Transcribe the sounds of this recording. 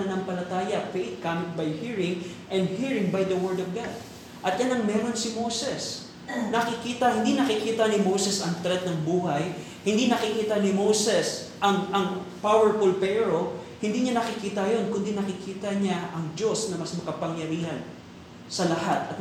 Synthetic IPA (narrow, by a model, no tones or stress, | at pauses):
ɐnɐŋpɐlɐt̪aːjɐfejt̪̚kaːmɪt̪̚bajhiɹɪŋʔɛ̃nd̪̚hiɹɪŋbajd̪ɐwɛɹd̪ɔvɡad̪̚ | ʔɐt̪̚janɐŋmɛɾo̞nsɪmowsɛs | nɐkɪkiːt̪ɐhɪnd̪inɐkɪkiːt̪ɐnɪmowsɛsɐŋt̪ɾɛt̪̚nɐŋbuːɦaj | hɪnd̪inɐkɪkiːt̪ɐnɪmowsɛs | ʔɐŋɐŋpawɛɹfʊlpɛːɾo̞hɪnd̪iɲanɐkɪkiːt̪ɐjo̞nkʊnd̪inɐkɪkiːt̪ɐɲaʔɐŋd͡ʒo̞snɐmɐsmɐkɐpɐŋjɐɾiːhɐn | sɐlɐhat̪ɐt̪